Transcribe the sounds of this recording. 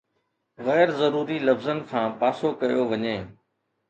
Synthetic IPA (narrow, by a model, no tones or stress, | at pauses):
ɣɛːɾzɐɾuːɾilɐfzənkʰãːpaːsokɐjoʋɐɲeː